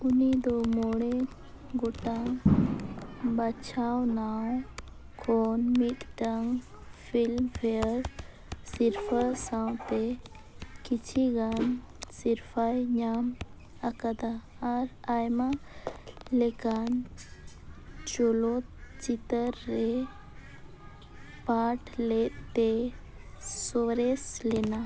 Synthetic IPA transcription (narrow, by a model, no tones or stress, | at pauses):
unid̪ɔmoɽɛ | ɡɔʈaŋ | bat͡ʃʰawnaw | kʰɔnmit̪ɖaŋ | pʰilmpʰɛəɾ | siɾpʰasawt̪ɛ | kit͡ʃʰiɡan | siɾfʰajɲaːm | ɐkad̪aː | ɾajma | lekan | d͡ʒolot͡ʃit̪əɾːe | paːʈʰlet̪e | soɾeslena